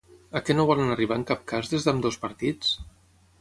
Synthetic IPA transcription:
əkɛnoβɔlənəriβ̞aəŋkap̚kazðezðəmd̪ospəɾt̪it͡s

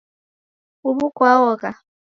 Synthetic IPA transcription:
uβukwaɔkʼa

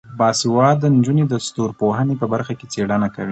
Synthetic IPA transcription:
bɑsiwɑd̪ənd͡ʒuned̪əst̪oɾpoɦənepəbaɾxaket͡seɽənakəwi

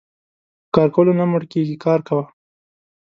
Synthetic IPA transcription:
kɑɾkolonamʊɽkeɡikɑɾkawa

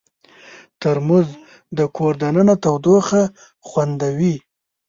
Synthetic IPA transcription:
t̪əɾmuz | d̪əkʰoɾd̪anənat̪awd̪oxa | xwand̪awi

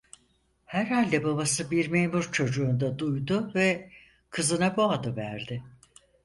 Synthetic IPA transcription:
hæɾhalʲd̪ɛbabasɯbiɾmeːmuɾt͡ʃʰo̞d͡ʒuːnd̪ad̪ujd̪ʊvɛ | kʰɯzɯnabuad̪ɯvæɾd̪ɪ

